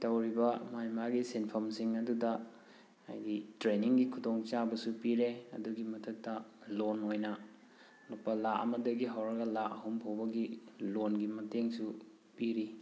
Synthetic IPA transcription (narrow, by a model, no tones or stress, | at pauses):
tɐwɾibɐmajmaɡisenpʰɐmsiŋɐdudɐ | a̰jɡitɾeniŋɡikʰudoŋt͡ʃabɐsupiɾeɐ̰duɡimɐtʰɐk̚tɐlonojnɐ | nupːɐlaʔɐ̰mɐdɐɡiɦawɾɐɡɐlaʔɐɦumpʰobɐɡilonɡimɐteŋsu | piɾi